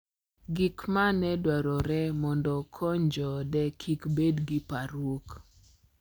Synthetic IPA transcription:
ɡikmanɛdwaɾɔɾɛmɔndɔkʰɔɲd͡ʒɔdɛkʰikbedɡipaɾwok

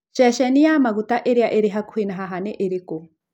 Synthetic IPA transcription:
t͡ʃɛʃɛnijamaɣut̪aʔeɾiaʔeɾiɦaku̥hinaɦaɦanɛʔeɾiku

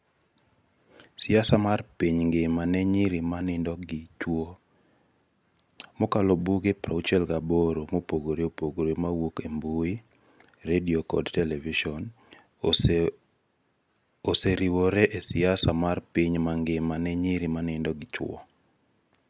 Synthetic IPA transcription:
sɪasamarpiɲŋɡemanɛɲiɾimanɪndɔɡɪt͡ʃwo | mokalɔbuɡepɾaut͡ʃɛlɡaboɾomopoɡoɾeopoɡoɾemawukembui | ɾediokɔ̰dtɛlɛviʃɔn | oseɾiwoɾɛʔesɪasamarpiɲmaŋɡɪmanɛɲiɾimanɪndɔɡɪt͡ʃwɔ̰

